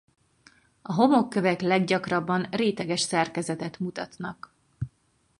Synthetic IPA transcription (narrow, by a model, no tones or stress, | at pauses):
ɒɦo̞mo̞kːøvɛklɛɡɟɒkrɒbːɒnreːt̪ɛɡɛʃsɛrkɛzɛt̪ɛt̪mut̪ɒt̪nɒk